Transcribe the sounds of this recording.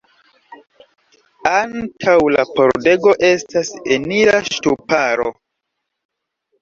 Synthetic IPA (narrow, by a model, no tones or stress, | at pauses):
antʰawlapo̞̰ɾde̞ɡo̞ʔe̞staseniɾaʃtupaɾo̞̰